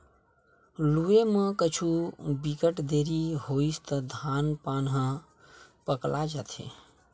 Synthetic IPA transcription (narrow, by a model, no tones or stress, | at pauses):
luemə̃kət͡ʃʰubikəʈd̪eɾihoist̪əd̪ʱanpanɦə̃ | pəklad͡ʒat̪ʰḛ̃